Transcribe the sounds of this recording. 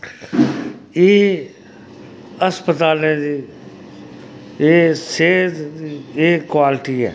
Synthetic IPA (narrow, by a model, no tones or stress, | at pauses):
eː | əspət̪aːlẽd̪i | eːseːd̪ieːkwaːlɪʈiɦɛ̰ː